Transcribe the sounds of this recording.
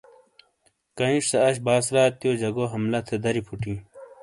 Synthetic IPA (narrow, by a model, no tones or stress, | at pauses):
kɐĩʂsɐɐɕbaːsɾaːt̪joːd͡ʑɐɡoːɦɐmlɐt̪ʰed̪ɐɾipʰuʈĩː